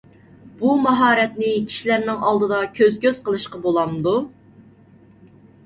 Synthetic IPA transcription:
b̥umɑɦɑːɾɛt̪nɪkʲʰi̥ʃilæɾnɪŋɑlˠd̪ɨd̪ɑkʲʰøzkʲøzqəlˠɨʃqɑbolˠɑmd̪u

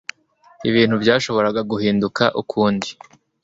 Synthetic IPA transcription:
iβiːn̥hubɟaːʃo̞βo̞ɾaɡaɡuhiːndukaʔukʰuːndi

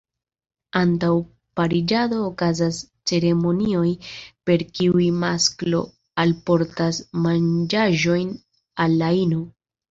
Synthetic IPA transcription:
antaw | paɾid͡ʒado̞ːkazas | t͡se̞ɾe̞mo̞nio̞jpe̞ɾkiujmasklo̞ | alpo̞ɾtasmand͡ʒaʒo̞jn | alːaino

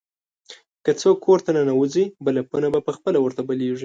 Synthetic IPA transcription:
kət͡səkʰoɾt̪ananawəzibəlapunabapəxpəlawəɾt̪abəleʐi

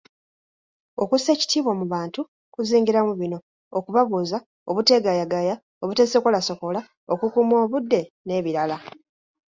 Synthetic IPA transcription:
o̞kuse̞ːci̥tiːβwomuβaːntu | kuziːŋɡiɾamuβino̞ː | kuβaβuːza | o̞βute̞ːɡajaɡaja | o̞βute̞ːse̞kolaso̞ko̞la | okukumo̞ːβudːe̞ | ne̞ːβiɾala

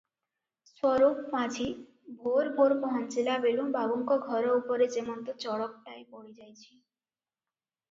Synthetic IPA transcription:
sɔɾokpãd͡ʑʰʱi | bʱoɾbʱoɾmɔɦɔnt͡ɕilabelumbabuŋkoɡʱɔɾoupoɾed͡ʑemont̪ot͡ɕɔɽok̚ʈaeboɽid͡ʑajt͡ɕʰi̥

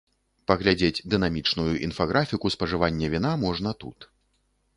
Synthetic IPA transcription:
pɐɣlʲad͡zʲed͡zʲd̪ɨn̪amʲit͡ʂnujuʔḭnfaɣɾʔafʲikuspɐʐɨvanʲːɛvʲin̪amɔʐnɐt̪ṵt̪

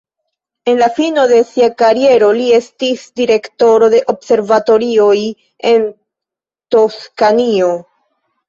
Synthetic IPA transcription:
e̞nlafino̞de̞siakaɾie̞ɾo̞lie̞stisdiɾe̞kto̞ɾo̞de̞ʔo̞bse̞ɾvato̞ɾio̞j | e̞n | to̞skanio̞

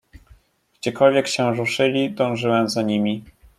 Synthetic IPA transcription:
ɡ̥d͡ʑɛkɔlvʲjɛkɕɛ̃ɾuʂɘlʲid̪ɔ̃w̃ʐɘwɛmzaɲimʲi

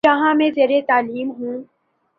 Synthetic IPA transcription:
ɐɦãmẽzeːɾet̪aːliːmɦũː

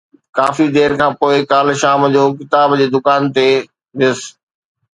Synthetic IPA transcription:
kaːfid̪eːɾkʰãːpoːɪkaːlʃaːmd͡ʑoːkɪt̪aːbd͡ʑeːd̪ʊkaːnt̪e | ʋɪs

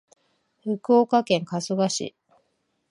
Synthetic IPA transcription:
ɸɯ̟kɯoːkakẽ̞ŋkasɨɡaɕḭ

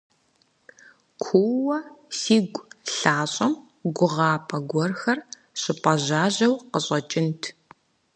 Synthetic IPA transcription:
kʷʰuwɐsiːɡʷʼɬaːɕʼɐm | ɡʷʊʁɑːpʰɐɡʷɔrxɐr | ɕɪpʼɐʑaːʑɐwqəɕʼɐt͡ʃʼɪntʰ

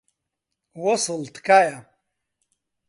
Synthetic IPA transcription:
wɔsɨlt̪kaːja

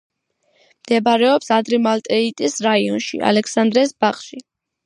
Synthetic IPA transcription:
md̪̥ɛbaɾɛɔpsad̪ɾimalt̪ʼɛit̪ʼisɾaiɔnʃḭa̰lɛkʰsand̪ɾɛsbaχʃi

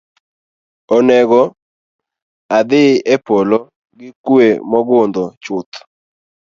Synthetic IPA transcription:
onɛɡɔ | ad̪ɪepolo | ɡɪkwemɔɡʊnd̪ɔt͡ʃʊt̪

